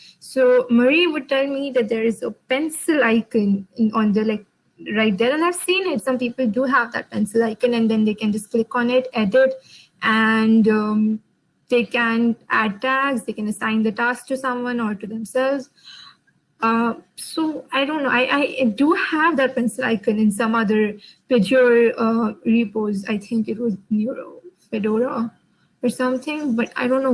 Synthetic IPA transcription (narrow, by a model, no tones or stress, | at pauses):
soːməɾiʋʊɖ̚ʈɛlmid̪æʈ̚d̪eɾɪzəpɛ̃nsəlaɪkə̃nɔ̃nd̪əlaɪk̚ | ɾaɪʈ̚d̪ɛɾãɪɦəʋsĩːnɪʈsʌ̃mpiːpəlɖuɦæʋd̪æ̰ʈ̚pɛ̃nsəlaɪkə̃næ̃nd̪ɛ̃nd̪eːkæ̃nd͡ʒʌsklɪkɔ̃ːnɪʈɛɖɪʈ | ʔæ̃nʌ | d̪eːkæ̃nʔæɖ̚ʈæksd̪eːkɛ̃nəsãɪ̃nd̪əʈæsk̚ʈusʌ̃mwʌ̃nɔːɾʈud̪ɛ̃msɛlʋz̥ | ʌsoːaɪɖõːnːoːʔaɪʔaɪɖuhæʋd̪æʈ̚pɛ̃nsəla̰ɪkə̃nɪ̃nsʌ̃mʌd̪əɾpɪd͡ʒəlʌɾipoːza̰ɪt̪ʰɪ̃ŋkɪʈwɔznjuɾo̰pɛɖoːɾa | ɔɾsʌ̃mt̪ʰɪ̃ŋbʌʈa̰ɪɾõːnːo